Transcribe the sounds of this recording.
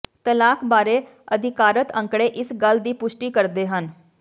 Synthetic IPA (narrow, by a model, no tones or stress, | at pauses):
t̪əlaːkʰbaːɾeː | əd̪ʱɪkaːɾət̪ə̃ŋkɽeːʔɪsɡəld̪iːpʊʃʈiːkəɾd̪eːɦən